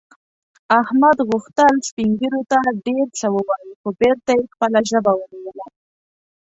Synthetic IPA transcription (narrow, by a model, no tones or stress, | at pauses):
ahmad̪ɣʊxt̪əlspiŋɡiɾot̪aɖeɾt͡səwəwɑjixobeɾt̪ajexpəlaʒəbawəɾawəla